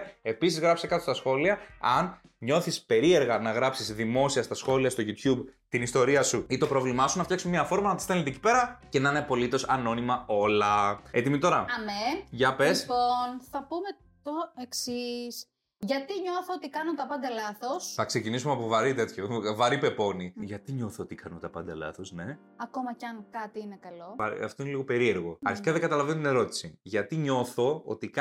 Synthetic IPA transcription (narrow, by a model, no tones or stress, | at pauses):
e̞pisizɣɾɐpsekɐt̪o̞st̪ɐsxo̞liɐɐn | ɲo̞θispe̞ɾie̞ɾɣɐnɐɣɾɐpsizðimo̞siɐst̪ɐsxo̞liɐst̪o̞ʝut̪çubt̪inist̪o̞ɾiɐsuit̪o̞pɾo̞vlimɐsunɐft̪jɐksumeɲɐfo̞ɾmɐnɐt̪i̥st̪e̞let̪ecipe̞ɾɐce̞nanepo̞lit̪o̞sɐno̞nimɐo̞lɐet̪imit̪o̞ɾɐɐmeʝɐpesonθɐpume | t̪oeksis | ʝɐt̪iɲo̞θoot̪ikɐnot̪ɐpɐnd̪ɐlɐθo̞sθɐkse̞cinisumeɐpovɐɾit̪e̞t̪çovɐɾipe̞po̞niʝɐt̪iɲo̞θoot̪ikɐnot̪ɐpɐnd̪ɐlɐ̰θo̞sne̞ | ɐko̞mɐcɐŋkɐt̪iinekɐlo̞ɐ̰ɐ̰ft̪oineliɣo̞pe̞ɾie̞ɾɣo̞ɐ̰ɾçi̥kɐðeŋɡɐt̪ɐlɐvenot̪ine̞ɾo̞t̪i̥siʝɐt̪iɲo̞θo̞o̰t̪ikɐ